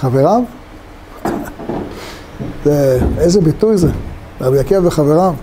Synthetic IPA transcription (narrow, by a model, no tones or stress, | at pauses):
χaveʁav | zeejzebitujze | abiakiavbeχaveʁav